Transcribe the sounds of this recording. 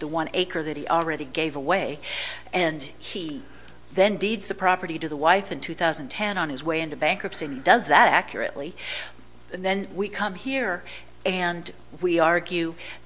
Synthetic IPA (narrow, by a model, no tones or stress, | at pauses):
ðəwʌ̃neɪkʰə˞ðɨt̚hiʔl̩ˠɹɛɾiɡeɪvəweɪʔɨ̃ni | ðɨ̃ndidzðɨpʰɹ̥ɑpə˞ɾiɾɨðəwaɪfɨ̃ntʰʉθaʊzɨ̃n̩tʰɛ̃nə̃nɨzweɪɨ̃ntʉbæ̃ŋkɹɨpsĩɨ̃nidʌzðəɾækʰjə̰˞ɨ̰ʔli | ðɨ̃nwikʰʌ̃mhiɹ | ɨ̃n | wiɑɹɡjʉ